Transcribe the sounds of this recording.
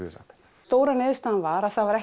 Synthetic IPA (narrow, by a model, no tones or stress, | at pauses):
sa̰t̪ | t̪oːwɾanɪːðst̪anvaɾaθavaɾɛh